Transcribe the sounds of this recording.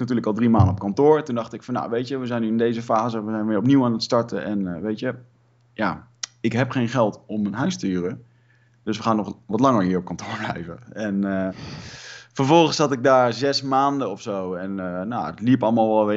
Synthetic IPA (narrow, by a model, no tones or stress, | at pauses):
knatyːɹləkɑlˠdrimaːndəɔpkɑntʊːɹtundɑχtɪkfɑnːa̰ʋejtjəʋəzɛjnːyɪndejzəfaːzəʋəzɛjnʋɪːɹɔpniwaːnətstɑɹtəʔɛnʋejtjə | jaː | ɪkɦɛpχejnχɛlˠtɔmːənɦœɥstyːrə | d̥ɵsʋəχaːnːɔχʋɔtlɑŋəɹɦiːɹɔp̚kɑntʊːɹblɛ̰jvəɛnː | fəɹvɔlˠχənsɑtɪɡ̚daːɹzɛsmaːndəɔfsowɛnːaətlipɑlˠmaːlˠʋɛlˠʋɪ